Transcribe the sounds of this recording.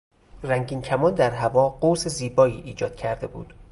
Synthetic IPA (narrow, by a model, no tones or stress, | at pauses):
ræŋɟiːncʰæmɒːnd̪æɾɦævɒːɢoseziːbɒːiːʔiːd͡ʒɒːd̪̥̚cʰæɾd̪e̞bṵːd̪̥